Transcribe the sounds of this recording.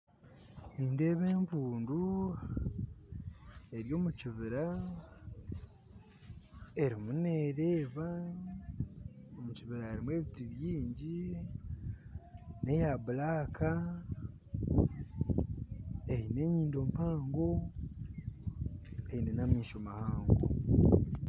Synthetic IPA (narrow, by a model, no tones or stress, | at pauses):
niːnde̞ːβe̞ːmpuːndu | eɾjo̞ːmuciβiɾa | e̞ɾimuneɾeːβa | omuciβiɾaeɾimwe̞ːβitiβjiːɲɟi | ne̞jaβulaːkʰa | e̞hine̞ɲiːndo̞mpaːŋɡo̞ | e̞inenamiːʃo̞mahaːŋɡo̰